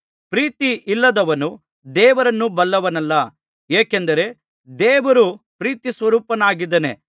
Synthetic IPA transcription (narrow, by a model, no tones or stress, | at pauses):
pɾiːt̪iʔilːɐd̪ɐʋɐnu | d̪ɛːʋɐɾɐnːubɐlːɐʋɐnɐlːɐ | eːkend̪ɐɾe̞ | d̪ɛːʋɐɾupɾiːt̪isʋɐɾuːpɐnaːɡid̪ɐne̞̰